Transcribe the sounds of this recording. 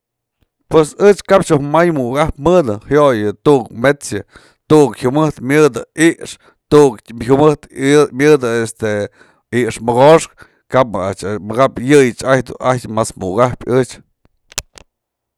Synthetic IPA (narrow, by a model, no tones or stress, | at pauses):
pwesɨt͡ʃkapt͡ʃuhmajmuʔkahpmɨd̪ɨhjojɨt̪uʔkmet͡sja | t̪uʔkhumɨht̪mʲjɨd̪ɨiʔʂ | t̪uʔkumɨht̪mʲjɨd̪ɨest̪e | iʔʂmɨɡoʂk̚ | kapat͡ʃmɨɡapjɨjɨt͡ʃajd̪ṵʔajmasmṵkahpʲɨt͡ʃ